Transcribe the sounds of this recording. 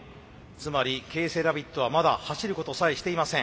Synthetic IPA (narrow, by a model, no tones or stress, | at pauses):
t͡sɨmaɾʲike̞ːse̞ːɾabʲit̪ːo̞βamad̪ahaɕiɾɯ̟ko̞t̪o̞saiɕi̥t̪e̞imasẽ